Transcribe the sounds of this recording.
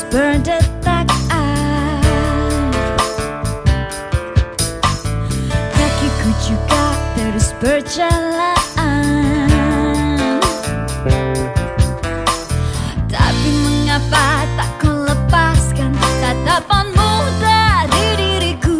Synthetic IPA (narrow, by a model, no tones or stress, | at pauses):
bəɾdət̪ːak̚a | kakiɡut͡ʃukat̪ɛɾusbəɾt͡ʃalaa | t̪a̰piməŋapat̪aʔkələpaskant̪at̪apanmudadiɾiɾiɡu